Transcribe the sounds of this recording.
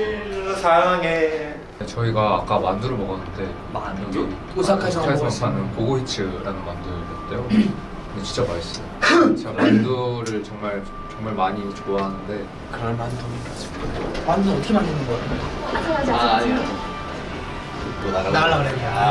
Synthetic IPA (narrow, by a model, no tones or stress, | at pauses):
sʰajaŋaŋe | et͡ɕʌiɡaːk͈amandɯɾomʌɡʌnːɯnde̞ | man | osʰakʰasʰʌŋʰasʰʌŋpʰanɯnpoɡoit͡ɕʰɯɾanɯnmanduʌt͈ejo | net͡ɕʰi̥t͡ɕ͈ʌbais͈iot͡ɕmandoɾɯɭt͡ɕʌŋmaɭ | t͡ɕʌŋmaɭmaɲit͡ɕoaɦanɯnde̞ | kɯɾʌmand͡ʑʌmʌnsʰi̥kot͈omanduɯnʌtʰʌkʰemandɯnɯnɡʌk͈atʰneaa | konaɾaaea